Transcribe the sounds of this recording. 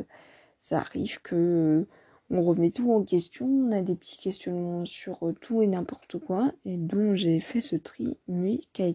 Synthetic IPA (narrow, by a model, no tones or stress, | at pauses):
sa̰ːʁivkʰə | ɔ̃ʁəvənɛt̪uɑ̃kʲɛst̪jɔ̃ɔ̃nad̪epə̥t̪ʰi̥kʲɛst̪jɔnmɑ̃syʁt̪ʰuenɛ̃pɔʁt̪əkwaed̪ɔ̃ʒefɛsət̪χḭmɥikʲaet̪